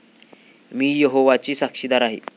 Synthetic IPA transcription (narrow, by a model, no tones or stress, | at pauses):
miːjeɦoʋat͡ɕiːsakʂid̪aɾaɦḛ